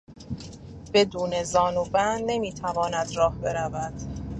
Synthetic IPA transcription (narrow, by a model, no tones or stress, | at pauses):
b̥e̞d̪uːne̞zɒːnuːbænːe̞miːt̪ʰævɒːnæd̪rɒːhbe̞ɾævæd̪̥